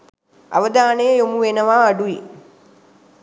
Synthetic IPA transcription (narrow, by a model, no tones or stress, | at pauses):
ʔa̰ʋəd̪aːnəjəjomuʋenəʋaːɖui